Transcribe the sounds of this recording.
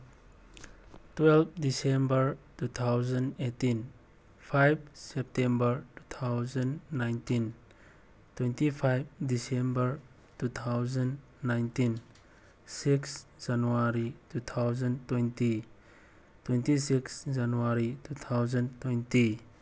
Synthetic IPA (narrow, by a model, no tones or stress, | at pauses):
twɛlb̚ʰdisembəɾtut̪ʰawzandetin | pʰajb̚sɛp̚tembəɾtu̥t̪ʰawzanːajntin | twentipʰajb̚disembəɾ | tut̪ʰawzanː | ajntin | siksd͡ʒanuaɾitut̪ʰawzantwenti | twentisiksd͡ʒanuaɾitut̪ʰawzantwenti